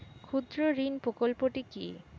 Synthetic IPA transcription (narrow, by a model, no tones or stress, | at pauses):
kʰud̪ɾoɾinpɾokolpoʈiki